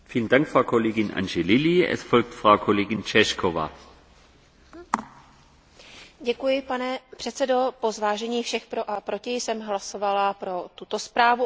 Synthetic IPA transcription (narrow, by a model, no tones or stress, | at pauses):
fiːləndaŋkfʁaʊkʰoleːɡɪnʔa̰nʒelɪliɛ̰sfɔlk̚tfʁaʊkʰoleːɡɪnt͡ʃɛʃkʰova̰ː | ɟɛkujɪpanɛpr̥ɛt̪t͡sɛdo̞po̞zvaːʒɛɲiːfʃɛxpɾoʔapɾo̞cɪjsɛmɦlaso̞valapɾo̞t̪ut̪o̞spɾaːvu